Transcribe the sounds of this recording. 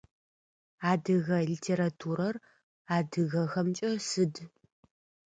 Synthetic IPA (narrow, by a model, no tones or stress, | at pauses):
aːdɨɣɐɮitʰeːɾatʰuɾɐr | aːdɨɣɐxɐmt͡ʃʼɐsɨd